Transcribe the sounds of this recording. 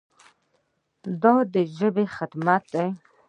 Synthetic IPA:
d̪ɔd̪əʒəbexɪt̪mat̪̚d̪aj

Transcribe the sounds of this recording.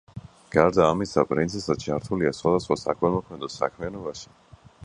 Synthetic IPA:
ɡ̥aɾd̪aːmisapʼɾinsʰɛsad̪t͡ʃʰaɾt̪ʰuliasχwad̪asχwasakʰwɛmɔkʰmɛd̪ɔsa̰kʰmianɔbaʃi̥

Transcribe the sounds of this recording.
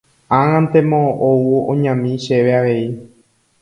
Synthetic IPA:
ãŋãnt̪emõʔowuõ̰ɲãmĩʃe̞ʋe̞aʋe̞i

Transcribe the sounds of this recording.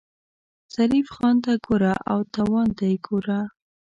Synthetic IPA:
z̥aɾifxɑnd̪aɡoɾaʔawt̪awɑnd̪ajɡoɾa

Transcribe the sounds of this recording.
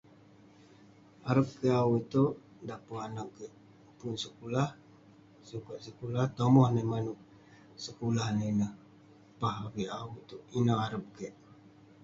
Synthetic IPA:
aɾəp̚kəawit̪oʔ | dapaanaʔkəʔ | punsəkulah | sukaʔsəkulaht̪omɔhnəmanuʔ | səkulahnənəh | paɦaɾiawit̪oʔinaaɾəp̚kəʔ

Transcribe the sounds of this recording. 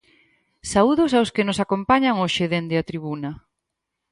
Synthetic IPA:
sauðʊsawskɪnosakompaɲaŋoʃeðend̪eat̪ɾiβunɐ

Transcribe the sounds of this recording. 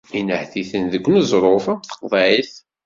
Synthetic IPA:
inəhθiθənðəɡʷnəzˤɾˤofθə̥qðˤʕiθ

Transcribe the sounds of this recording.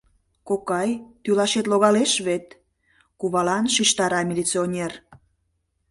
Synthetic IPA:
kokɑjt̪ylɑʃet̪loɣɑleʃβet̪ | kuβɑlɑnʃiʃt̪ɑɾɑmʲilʲit͡sionʲer

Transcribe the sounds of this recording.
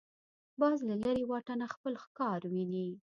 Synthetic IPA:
bɑzlalaɾewɑʈanaxpəlxkɑɾwini

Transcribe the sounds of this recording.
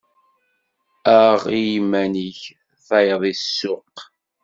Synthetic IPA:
æʁijimːæniç | θæjðˤisːʊq

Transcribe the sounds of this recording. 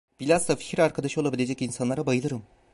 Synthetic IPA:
b̥ilʲazd̪afi̥cʰiɾaɾkʰad̪aʃɯo̞lˠabilʲe̞d͡ʒɛcinsanlˠaɾabajɯlˠɯɾɯm

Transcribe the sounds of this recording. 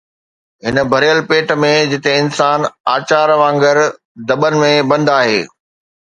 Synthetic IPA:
ɦɪnbʱɐɾjəlpeːʈmẽd͡ʑɪt̪ẽɪnsaːnaːt͡ɕaːɾʋãːŋɡəɾ | d̪ɐɓənɪ̆mẽbɐ̃nd̪aːɦḛː

